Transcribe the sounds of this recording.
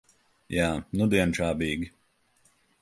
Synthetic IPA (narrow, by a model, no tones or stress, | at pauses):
jaːnud̪iɛnt͡ʃaːbiːɡʲi